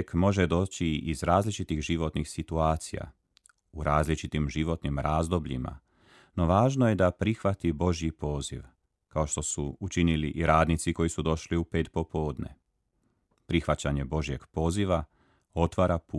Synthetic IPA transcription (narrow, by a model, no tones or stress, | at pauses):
kmo̞ʒe̞d̪o̞ːt͡ɕiizɾaːzlit͡ʃit̪ixʒiʋo̞t̪nixsit̪uaːt̪sḭja̰ | uɾaːzlit͡ʃit̪imʒiʋo̞t̪nimɾaːzd̪o̞bʎḭma̰ | no̞ʋaːʒno̞je̞d̪apɾixʋat̪ibo̞ʒjipo̞ːziʋ | kao̞ʃt̪o̞suut͡ʃiniliʔiɾaːd̪nit̪siko̞jisud̪o̞ʃliupeːt̪po̞po̞ːd̪nḛ | pɾixʋat͡ɕaɲe̞bo̞ʒje̞ɡ̥po̞ːziʋa | o̞t̪ʋaːɾapu